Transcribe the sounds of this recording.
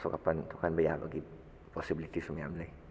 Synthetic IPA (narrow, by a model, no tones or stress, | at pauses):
sukapant̪ukanbaja̰ʔba̰ɡi | pɔsibilit̪isumiamlə